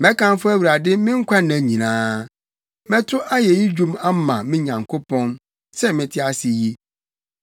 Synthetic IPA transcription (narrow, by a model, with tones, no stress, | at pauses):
mɛ̃˦kã˦n˦fʊ˦æ˦wu˨ɾa˨dɪ˦mɪ̃˦ŋ̩˦kʷʰa˦nã˨˦ɲĩ˨nãː˦ | mɛ̃˦tʰʊ˦ʔa˦jɛ˨ji˦d͡ʑᶣũ˦ma˦mã̰˨mɪ̃˦ɲã˨ŋkʰo˦pʰɔ̃˦n | sɛ˦mɪ̃˨tʰɪ˦a˨sɪ˨ji˦